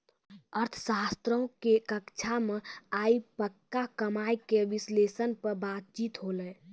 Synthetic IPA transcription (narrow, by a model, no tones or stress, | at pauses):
əɾt̪ʰsaːst̪ɾõkekəkt͡ʃʰameaːipəkːakəmaːjkeʋɪsleːsənpəɾbaːt̪̚t͡ʃiːt̪ɦoləː